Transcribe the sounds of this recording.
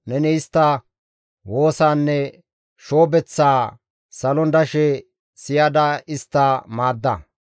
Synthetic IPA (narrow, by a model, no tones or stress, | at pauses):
nɛnɪɪst̪ːɐ | wo̞ːsaːnːɛ | ʃo̞ːbɛt͡sːaː | sɐlɔnd̪ɐʃɛ | sɪjɐd̪ɐɪst̪ːamaːd̪ːɐ̰